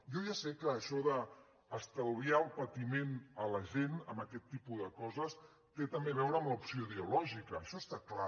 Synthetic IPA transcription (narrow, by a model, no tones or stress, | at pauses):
jɔʒasekəːʃɔðəː | st̪əwðiaəlˠpət̪imenələʒenəmbəkɛt̪ːipuðəkɔzəs | t̪et̪əmbeβ̞ɛwɾəːmləupsioiðəulɔʒikəːʃɔst̪akla